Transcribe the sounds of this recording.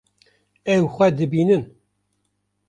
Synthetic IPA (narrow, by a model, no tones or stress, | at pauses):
ɛwxʷɛd̪ɨbiːnɨn